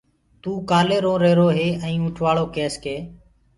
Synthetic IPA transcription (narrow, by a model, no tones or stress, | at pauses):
t̪uːkaːleːɾõːɾeːɾoːɦeːɛ̃ːʊʈʰʋaːɭoːkeːskeː